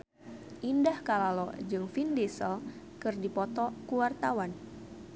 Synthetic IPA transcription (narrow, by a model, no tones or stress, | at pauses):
ʔindahkalalɔ̰d͡ʒɨŋfindisəl | kɨrdipɔt̪ɔkuwart̪awan